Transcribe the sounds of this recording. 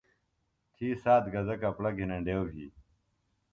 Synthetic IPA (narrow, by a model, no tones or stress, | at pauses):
t̪ʰiːsaːt̪ɡɐzɐkɐplɐɡʱinɐɳɖeːwɦḭː